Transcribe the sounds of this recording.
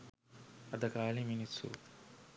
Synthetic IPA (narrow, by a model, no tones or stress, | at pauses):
ɐd̪ɐkaːɭiminisṵ